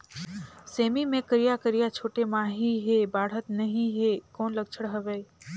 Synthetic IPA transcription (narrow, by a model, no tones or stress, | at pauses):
seːmimẽkəɾijakəɾijat͡ʃʰoːʈemãːɦiɦebaːɽ̤ət̪nɐɦĩɦekɔːnlɐɡ̚t͡ʃʰəɽɦɐʋɛː